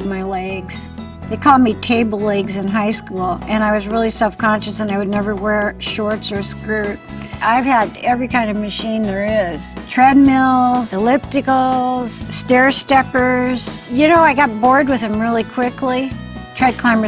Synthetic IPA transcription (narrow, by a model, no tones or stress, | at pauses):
maɪlɛɡz̥ | ðeɪkʰɔl̚ˠmitʰeɪbl̩ˠlɛɡzɨ̃nɦaɪskulˠɨ̃ñaɪwʌzɹɪlˠisɛlˠfkʰɑ̃nʃɨsə̃naɪwɨdⁿnɛvə˞wɛɹʃɔɹtsə˞skɹʉt̚ | ʔaɪv̥əɾɛvɹikʰãɪ̃ndʌvmɨʃĩnðə˞ɪz̥tʰɹ̥ɛd̚mɪlˠz̥əlɪp̚tɨkl̩ˠz̥stɛɹstɛpə˞z̥jɨnoʊaɪɡɑt̚b̥ɔɹd̚wɨð̥ɨ̃mɹɪlˠikʰw̥ɪkli | tʰɹ̥aɪd̚kʰl̥ãɪ̃mə